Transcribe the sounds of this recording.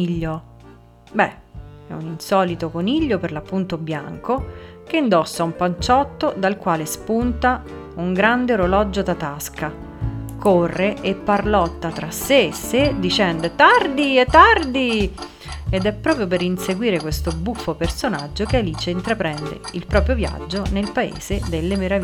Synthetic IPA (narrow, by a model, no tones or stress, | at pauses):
iʎːo | bɛɛ̰uninsɔːlit̪okoniʎːoperlapːunt̪obja̰ŋko | keind̪ɔsːaumpant͡ʃɔt̪ːod̪alkwaːlespunt̪a | uŋɡɾand̪eoɾolɔd͡ʒːod̪at̪aska | korːeʔepːarlɔt̪ːat̪ɾasːesːed̪it͡ʃɛnd̪et̪ːard̪iet̪ːard̪i | ed̪ɛpːɾɔːpɾjopeɾinseɡwiːɾekwest̪obufːopersonad͡ʒːokealiːt͡ʃeint̪ɾapɾɛnd̪ḛilpɾɔːpɾjovja̰d͡ʒːonelpaḛːzed̪elːemeɾavi